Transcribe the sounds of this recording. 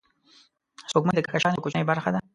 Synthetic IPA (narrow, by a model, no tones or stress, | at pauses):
sokməd̪əkakaʃɑnjokot͡ʃnajbaɾxad̪a